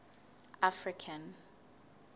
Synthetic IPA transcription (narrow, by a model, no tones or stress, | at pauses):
afɹikʰan